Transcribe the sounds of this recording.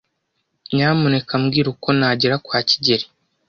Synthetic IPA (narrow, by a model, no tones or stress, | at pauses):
ɲaːmune̞kamɡiːɾuko̞naːɟeɾakwaːci̥ɟeɾi̥